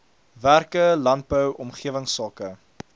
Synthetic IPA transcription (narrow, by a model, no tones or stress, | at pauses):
værkəlɐnt̚bəwʔɔmχiəvəŋsɑːkə